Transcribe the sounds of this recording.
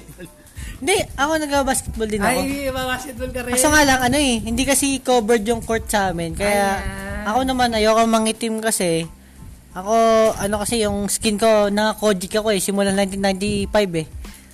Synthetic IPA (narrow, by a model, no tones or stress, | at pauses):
hɪnd̪ɛʔɐko̞nɐɡ̚babaːskɛt̪̚bold̪ɪnɐobabaskɛt̪̚bolɐɐsoŋaːlɐŋɐno̞ɛhɪnd̪ikɐsikoːbɛɹd̪jʊŋko̞ɹt̪̚sɐaːmɛnkɐjaʔɐko̞nɐmanɐjowkoŋmɐŋɪt̪ɪmkɐsɛ | ʔɐko̞ʔɐno̞kɐsɛjʊŋskɪnko̞nɐŋɐko̞ːd͡ʒɪkɐko̞ɛsɪmʊlanajnt̪ɪnːajnt̪ipajbɛ